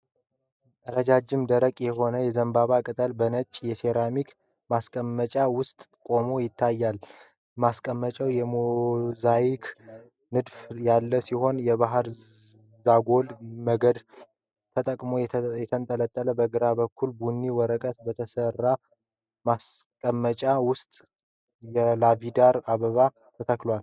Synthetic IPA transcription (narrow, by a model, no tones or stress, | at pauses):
əɾəd͡ʒad͡ʒɪmd̪əɾəkʼjɛho̞nəjɛzəmbaβakʼɨt̪ʼəlbənət͡ʃʼːjɛse̞ɾamik | maskʼəmːət͡ʃʼawʊst̪ʼkʼo̞mo̞jɪt̪ʰːajːal | maskʼəmːət͡ʃʼəwjɛmozajɪkʰ | nɨd̪fjalːəsiho̞njɛβaɦɾ | zaɡo̞lməɡəd̪ | t̪ʰət̪ʼəkʼmo̞jɛt̪ʰənt̪ʼələt̪ʼːələbəɡɨɾabəkʰːulbunːiwɔɾəkʼət̪bət̪ʰəsərːa | maskʼəmːət͡ʃʼawʊst̪ʼ | jɛlavid̪aɾaβəβa | t̪ʰət̪ʰəklwal